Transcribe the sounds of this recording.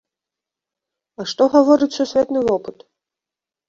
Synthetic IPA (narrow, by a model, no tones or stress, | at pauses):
aʂt̪ɔɣavɔɾɨt͡sʲsusʲvʲɛt̪nɨvɔpɨt̪